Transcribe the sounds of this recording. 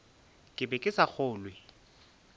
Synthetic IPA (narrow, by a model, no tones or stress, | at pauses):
kʼɪbɛkʼɪsak͡xʊːlwɪ